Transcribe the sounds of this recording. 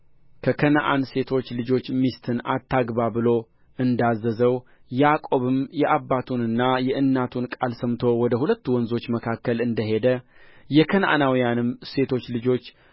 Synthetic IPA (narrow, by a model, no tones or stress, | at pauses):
kʰəkʰənʔa̰nse̞t̪ʰo̞t͡ʃːlɨd͡ʒo̞t͡ʃːmist̪ʰɨna̰t̪ʰːaɡbabɨlo̞ | ɨnd̪azːəzəw | jɛakʼo̞βɨmjɛʔabːat̪ʰunɨnːajɛʔɨnːat̪ʰunkʼalsəmt̪ʰo̞wɔd̪əhulət̪ːuwɔnzo̞t͡ʃːməkʰakːəlɨnd̪əɦe̞d̪əjɛkʰənʔa̰nawijanɨmse̞t̪ʰo̞t͡ʃːlɨd͡ʒo̞t͡ʃː